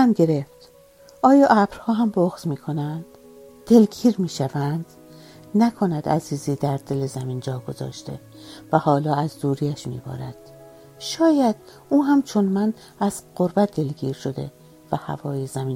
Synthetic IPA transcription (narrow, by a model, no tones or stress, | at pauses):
ænɡe̞ɾe̞ft̪ | ɒːjɒːʔæbɾhɒːɦæmboɣz̥miːkʰo̞nænd̪̥ː | e̞lɡiːɾmiːʃævænd̪̥ | nækʰo̞næd̪æ̰ziːziːd̪æɾd̪e̞lezæmiːnd͡ʒɒːɡo̞zɒ̰ːʃt̪e̞̰ | væhɒːlɒːæzd̪uːɾiæʃmḭːbɒ̰ːɾæ̰d̪̥ | ʃɒːjæd̪̥̚ | uːɦæmt͡ʃʰonmæn | æz̥ɢo̞ɾbæt̪̚d̪e̞lɡiːɾʃo̞d̪e̞̰ | væhæ̰vɒːjezæmiːn